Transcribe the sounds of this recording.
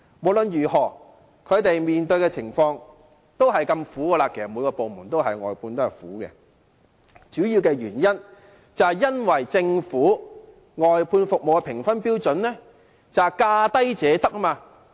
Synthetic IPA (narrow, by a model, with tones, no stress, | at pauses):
mo˨˩wlɵ˨njyː˨˩hɔː˨˩ | kʰɵ˨˧ɥt̪e˨jmiː˨nt̪ɵ˧ɥkɛː˧t͡sʰɪ˨˩ŋfɔː˧ŋ | t̪o˥wɦɐ˨jkɐ˧mfuː˨˥ɡəː˧la˧kʰe˨˩sɐ˨˩muː˨˧jkɔː˧po˨wmuː˨˩nt̪o˥wɦɐ˨jŋɔ̰ː˨jpʰuː˧nt̪o˥whɐ˨˩jfṵː˨˥kɛ̰ː˧ | t͡ʃyː˨˥jiː˧wkɛː˧jyː˨˩njɐ˥n | t͡sɐ˨jɐ˥nwɐ˨˩jt͡sɪ˧ŋfuː˨˥ | ŋɔː˨jpʰuː˧nfʊ˨k̚mo˨wɐ˧pʰɪ˨˩ŋfɐ˥npiː˥wt͡sɵ˨˥nlɛː˥ | t͡sɐ˨wkaː˧t̪ɐ˥jt͡sɛː˨˧t̪ɐ˥k̚maː˧